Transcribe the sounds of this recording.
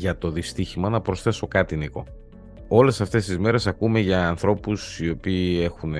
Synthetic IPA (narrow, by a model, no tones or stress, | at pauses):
ʝɐt̪o̞ðist̪içimɐnɐpɾo̞sθe̞so̞kɐt̪iniko̞ | o̞le̞sɐft̪e̞st̪izme̞ɾe̞sɐkume̞ʝɐːnθɾo̞pusio̞piːe̞xun